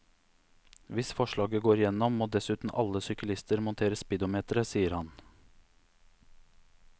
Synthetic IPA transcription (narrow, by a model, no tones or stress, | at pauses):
ʋɪsfɔʃɭɑːɡəɡoːɾjɛnɔmːoːd̪ɛsʉːt̪n̩ʔɑləsʏklɪst̪əɾmʊnt̪ʰeːɾəspɪd̪ʊmeːt̪ɾəsiːəɾhɑn